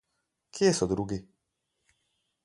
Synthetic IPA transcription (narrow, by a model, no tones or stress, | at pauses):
kʰjesɔd̪ɾuːɡi